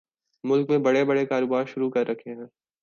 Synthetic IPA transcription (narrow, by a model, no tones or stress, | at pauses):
mʊlkmẽbɐɽebɐɽekaːɾoːbaːɾʃʊɾukɐɾːɐkʰeɦɛ̃ː